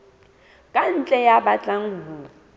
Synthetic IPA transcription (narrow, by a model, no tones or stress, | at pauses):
kʼan̩t͡ɬʼɛjabat͡ɬʼaŋ̩ɦu